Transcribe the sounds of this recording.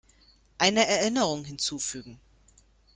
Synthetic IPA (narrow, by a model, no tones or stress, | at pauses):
ʔaɪnəɛɐʔɪnəʁ̞ʊŋɦɪnt͡suːfyːɡŋ̩